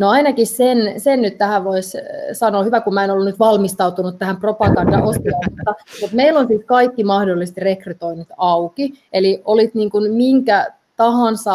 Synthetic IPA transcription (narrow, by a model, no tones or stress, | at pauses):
noɑinɑkissensennyt̪t̪æhæʋʋoissɑnoːhyʋækumæenolːunyt̪ʋɑlmist̪ɑut̪unut̪t̪æhæmpropɑɡɑndɑ̰ʔost̪iɑut̪ːɑmut̪meilonsiːt̪kɑikːimɑhdolːist̪irekryt̪oinut̪ɑukieliʔolit̪niːŋkunmiŋkæ | t̪ɑɦɑnsɑ